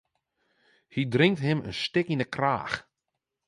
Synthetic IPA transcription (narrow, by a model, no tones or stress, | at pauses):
hidrɪŋktɦɪmə̰nstɪkinəkra̰ːx